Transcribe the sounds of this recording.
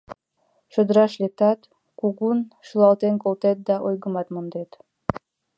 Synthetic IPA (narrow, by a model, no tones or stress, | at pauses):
ʃŏd̪ɾɑʃlʲek̚t̪ɑt̪ | kuɣunʃulˠɑlˠt̪enkolˠt̪et̪̚d̪ɑʔojɣə̆mɑt̪mond̪et̪